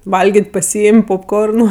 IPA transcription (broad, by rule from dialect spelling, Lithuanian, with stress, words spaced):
ˈʋɐlʲɡʲeːtʲ pɐˈsʲiːɪmʲ poːpˈkoːrnʊ